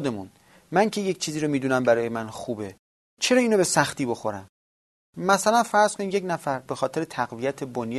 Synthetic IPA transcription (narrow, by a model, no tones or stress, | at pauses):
d̪e̞mun | mæŋcʰe̞jec̚t͡ʃʰiːziːɾomiːd̪uːnæmbæɾɒːjemænxuːbe̞ | t͡ʃʰe̞ɾɒːiːnobe̞sæxt̪iːbo̞xoɾæm | mæsælænfæɾz̥kʰo̞niːd̪je̞cnæfæɾbe̞xɒːt̪ʰe̞ɾe̞t̪ʰæɣvijæt̪ʰe̞bonj